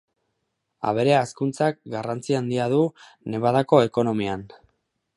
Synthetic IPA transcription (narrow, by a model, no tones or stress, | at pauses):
a̰β̞e̞ɾe̞askunt͡sak̚ɡarant͡siand̪iaðu | ne̞βaðako̞e̞ko̞no̞mian